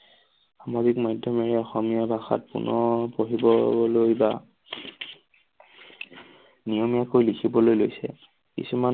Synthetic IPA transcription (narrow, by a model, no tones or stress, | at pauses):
xamazikmajdʱjɔmeɹɛɔxɔmijabʱaxa̰t̚pṵnɔpoɦibɔlojba | nijɔmijakojlikʰibɔlojlojsɛ̰ | kḭsuman